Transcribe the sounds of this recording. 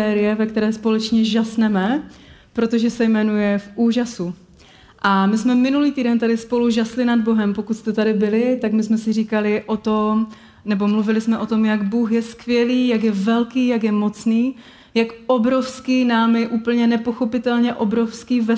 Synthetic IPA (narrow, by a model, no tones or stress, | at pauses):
ɛːɾɪjɛvɛkt̪ɛɾɛːspo̞lɛt͡ʃɲɛʒasnɛmɛpɾo̞t̪o̞ʒɛsɛjmɛnujɛfʔuːʒasu | ʔamɪsmɛmɪnuliːt̪iːdɛnt̪adɪspo̞luʒaslɪnad̪̚bo̞ɦɛmpo̞kut̪st̪ɛt̪adɪbɪlɪt̪akmɪsmɛsɪriːkalɪʔo̞t̪o̞m | nɛbo̞mluvɪlɪsmɛʔo̞t̪o̞mjaɡbuːxjɛskvjɛliːjakjɛvɛlkiːjakjɛmo̞t͡sniː | jakʔobɾo̞fskiːnaːmjɛʔuːpl̩ɲɛnɛpo̞xo̞pɪt̪ɛlɲɛʔo̞bɾo̞fskiːvɛ